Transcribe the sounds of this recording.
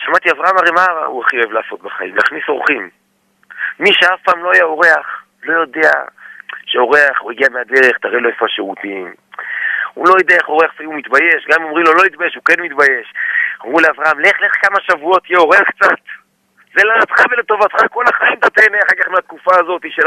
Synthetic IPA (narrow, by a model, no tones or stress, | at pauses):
ʃamat̪iavʁaamaʁemava̰uaχijoevlaaso̞t̪̚baχa̰ḭmna̰χnisoʁχimː | iʃeafpaːmloajao̞ʁe̞aχ | lo̞jo̞d̪e̞a̰ʃeo̞ʁe̞aχuiɡiamead̪e̞ʁeχt̪aʁeloefaʃeut̪im | ṵlo̞jod̪eaeχo̞ʁeaχfaimumit̪baje̞ʃɡamomʁimlolo̞it̪bajeʃukenmit̪baje̞ʃamʁuleavʁaamleχleχkamaʃavuo̞t̪ijeo̞ʁeaχk̚t͡sat̪ | zelanat̪χavelet̪o̞vat̪χako̞laχaimt̪at̪eneaχaʁkaχmeat̪̚kufaːzo̞t̪iʃel